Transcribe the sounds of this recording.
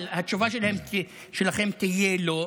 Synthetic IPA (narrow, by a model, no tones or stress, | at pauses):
lhat̪t͡ʃuvaʃelahemt̪i | ʃelaχemt̪ijelo